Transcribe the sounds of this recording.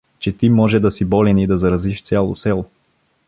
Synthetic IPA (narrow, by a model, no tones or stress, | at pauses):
t͡ʃɛt̪imɔʒɛd̪ɐsibɔlɛnid̪ɐzɐɾɐziʃt̪sʲalˠo̰sɛlˠo